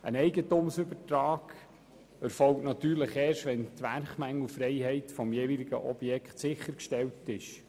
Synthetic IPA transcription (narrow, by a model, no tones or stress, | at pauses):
ʔə̰nɛɪɡətumsɵbətɾɑːɡ̥ | ɛɾfɔlk̚tnɑt̪yːɾləχɛːʃtʋɛntʋæɾχmæŋːl̩fɾɛɪhɛɪtfɔmjeːʋilɪɡə̰ʔɔb̥jɛkχtsɪχəɾkʃtɛltɪʃ